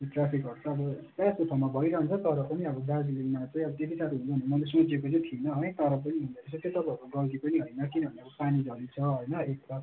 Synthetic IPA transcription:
ʈrapʰikɦʌrt͡sʰʌːbʌpaskotʰamabʱʌiɾʌɦʌnt͡sʰʌt̪ʌɾʌpʌniʌbʌd̪ad͡zlimat͡sʌj̃ʌbʌt̪et̪ʰisat̪ʰiɦũnt͡sʰʌʌnemʌlesõt͡sekot͡sʌ̃jt̪ʰienʌɦʌjt̪ʌɾʌp̬ʌniɦund̪ʌkʌt͡sʰʌt̪jet̪ʌpaɦʌɾkuɡʌɡipʌniɦʌjnʌkinʌbʱʌnʌbʌpanid͡zʌd̪it͡sʰʌɦʌjnʌek̪̚a

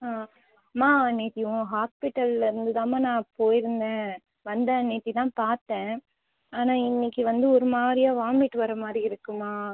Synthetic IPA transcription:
aː | maːɐnːeːt̪ːɪjʊ̃ɦaːspɪʈːɐlɾɯnd̪ɯt̪aːmaːnãːpoːjɪɾɯnd̪ẽː | ʋɐnd̪ɐneːt̪ːit̪ãːpaːɾt̪ːẽː | aːnaːɪnːɪkːɯʋɐnd̪ɯɔɾɯmaːɾɪjaːʋaːmɪʈːɯʋɐɾɐmaːd̪ɾiɪɾɯkːɯmːaː

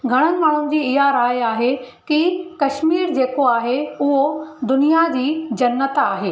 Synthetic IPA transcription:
ɡʱɐɽ̃ə̃̆maːɽ̤̃ʊnɪ̆d͡ʑiːɪɦaɾaːjaːɦe | kikɐʃmiːɾd͡ʑeːkoaːɦeʊɦod̪ʊnijad͡ʑiːd͡ʑɐnːət̪aːɦeː

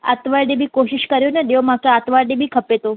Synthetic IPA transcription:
a̰t̪ʋaɭɖebʱiːkoɕiɕkəɾjonad̪eʋmakjaat̪ʋaɖebʱiːkʰəpet̪o

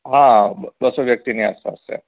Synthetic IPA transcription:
ɦãbbəsoʋjək̚t̪inia̰sa̰ːsḛ

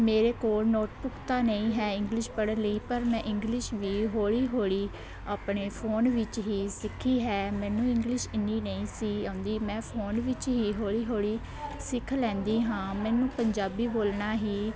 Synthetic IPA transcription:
meːɾeːkoːlnoːʈbʊkt̪aːnəĩːɦɛːɪ̃ŋɡlɪʃpəɽənləiːpəɾmɛ̃ːʔɪ̃ŋɡlɪʃʋiːɦoːɽiːɦoːɽiː | aːpɳeːpʰoːnʋɪt͡ʃɦiːsɪkʰːiːɦɛːmɛ̃ːnũːɪ̃ŋɡlɪʃɪnːiːnəĩːsiːãːnd̪iːmɛ̃ːpʰoːnʋɪt͡ʃɦiːɦoːɽiːɦoːɽiː | sɪkʰːlɛ̃ːnd̪iːɦãːmɛ̃ːnũːpəɲd͡ʒaːbiːboːlnaːɦiː

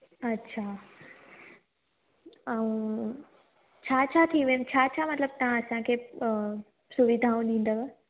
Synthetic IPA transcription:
ɐtːɕʰa | aũ | t͡ɕʰaːt͡ɕʰat̪ʰiʋəmt͡ɕʰaːt͡ɕʰaːmɐt̪ləb̚t̪aãɐsãkʰeː | suʋɪd̪ʱaũɗĩːnd̪əʋ

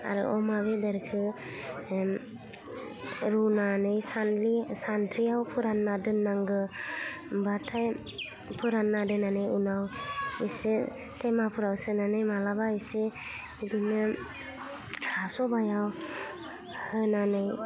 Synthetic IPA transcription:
a̰ɾɯ̰ʔɔmaβedaɾkʰɯ | ɾunanɯjsanlisandʰɾiawpʰɯɾanːadɯnːaŋɡɯ | batʰaj | pʰɯɾanːadɯnanɯjunawise | tʰemapʰuɾawsɯnanɯjmalabaise | idinɯ | asɔbajaw | hɯnanɯj

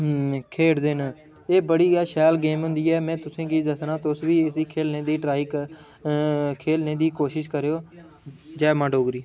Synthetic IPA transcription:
kʰeːɽd̪en | eːbəɽiːɡaːʃɛːlɡeːmɦʊ̃nd̪iːɛːmɛ̃ːt̪ʊsẽːkiːd̪əsnaːt̪ʊsʋiːɪsiːkʰeːlneːd̪iːʈɾaːɪk | kʰeːlneːd̪iːkoːʃɪʃkəɾeːjoː | d͡ʒɛːmãːɖoːɡɾiː

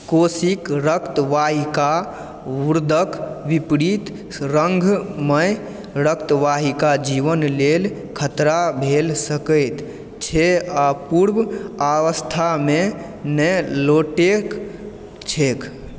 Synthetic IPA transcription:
kosikɾəkt̪ʋaɦika | uɾd̪ʱəkʋipɽit̪ | ɾəŋɡʱməj | ɾəkt̪ʋaɦikad͡ʒiʋənlel | kʰət̪ɾabʱelsəkəjt̪ | t͡ʃʰeapuɾbawəst̪ʰame | nəloʈek | t͡ʃʰek

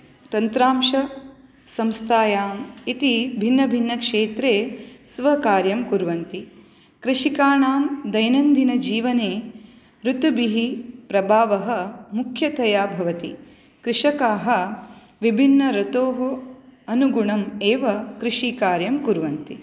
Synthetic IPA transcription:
t̪ɐnt̪ɾaːmʃɐ | sɐmst̪ʰaːjaːmit̪ibʱinːɐbʱinːɐkʂeːt̪ɾeːsʋɐkaːɾjɐmkuɾʋɐnt̪i | kɾɪʂikaːɳaːmd̪ɐjnɐnd̪ʱinɐd͡ʒiːʋɐneː | ɾut̪ubiɦipɾɐbʱaːʋɐɦɐ̆mukʰjɐt̪ɐjaːbʱɐʋɐt̪i | kɾɪʂɐkaːɦɐ̆ | ʋibʱinːɐɾɐt̪oːɦɐɐnuɡuɳɐmeːʋɐkɾiʂiːkaːɾjɐmkuɾʋɐnt̪i

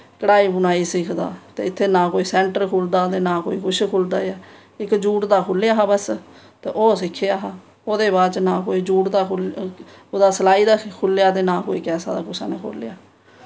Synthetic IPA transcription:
kəɽaːiːbʊnaːiːsiːkʰd̪a̰ːt̪ḛːɪt̪ʰːeːnãːkoːiːsɛ̃ːɳʈəɾkʰoːld̪aːt̪eːnãːko̰ːiːkʰʊʃkʰoːld̪aːɛː | ɪkd͡ʒuːʈd̪aːkʰʊlejaːɦaːbəs | t̪eːʔoːsɪkʰːejaːɦaː | oːd̪eːβaːt͡ʃnãːkoːiːd͡ʒuːʈd̪aːkʰʊ | oːd̪aːsəlaːiːd̪aːkʰʊljaːt̪̬eːnãːkoːiːkɛːsa̰ːd̪a̰ːkʊsa̰ːneːkʰo̰ːlḛjaː

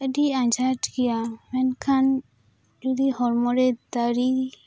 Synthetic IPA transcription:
əɖiaɲd͡ʒaʈɡijamɛnkʰan | d͡ʒud̪iɦɔɾmɔɾɛd̪aɾi

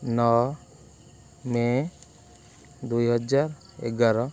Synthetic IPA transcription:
nɔ | me | d̪ujɦɔd͡ʒaɾ | ḛɡaɾɔ

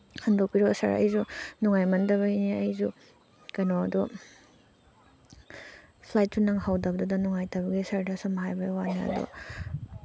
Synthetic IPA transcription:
hɐndok̚piɾɔsɐ̰ɾɐ̰jzunuŋajmɐndɐβɐjniɐjzu | kɐjnɔɐdɔ | pʰlajt̚sunɐŋɦawdɐbɐdudɐnuŋajtɐbɐɡisɐɾdɐsɐmɦajbɐjwaneɐ̰dɔ̰

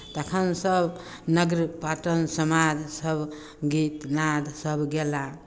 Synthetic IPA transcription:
t̪əkʰənsəb | nəɡɾpaʈənsəmad͡ʒsəbʱ | ɡit̪nad̪səbʱɡela

